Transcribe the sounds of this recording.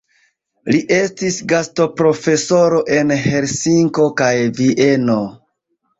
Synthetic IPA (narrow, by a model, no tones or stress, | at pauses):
liʔe̞stisɡasto̞pɾo̞fe̞so̞ɾo̞ʔe̞nhe̞ɾsiŋko̞kajviʔe̞no̞